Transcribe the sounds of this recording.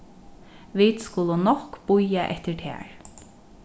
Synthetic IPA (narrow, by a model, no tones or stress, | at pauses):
ʋiːt̪skʊlənɔkb̥ʊjaʔɛ̰ht̪əɹt̪ʰɛ̰ːɹ